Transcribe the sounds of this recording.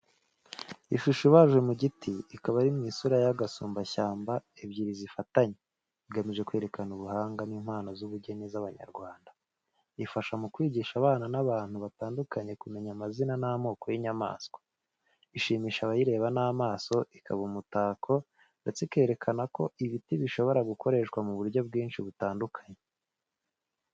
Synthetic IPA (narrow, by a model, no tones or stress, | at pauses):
iʃuʃiβaːʒɡwe̞muɟitʰiːkaβaɾimɲiːsuɾajaɡasuːmbaçaːmbaebɟiːɾizifataɲe | iɡamiʒe̞kwe̞ɾe̞kanuβuhaːŋɡaniːm̥haːnozuβuɟe̞nizaβaɲa̰ɾɡwaːnda | ifaʃamukwiːɟiʃaβaːnanaβaːn̥huβataːndukʰaɲe̞kume̞ɲamazinanamo̞ːko̞jiɲama̰ːsko̥ | iʃiːmiʃaβajiɾe̞ːβanaːmaːso̞ʔikʰa̰βumutaːkʰo̞ | nde̞t͡seke̞ːɾe̞kʰanako̞ʔiβitiβiʃo̞βo̞ɾaɡukʰo̞ɾe̞ʃkwamuβuɾjo̞b̚ɡiːnʃiβutaːndukʰḁɲe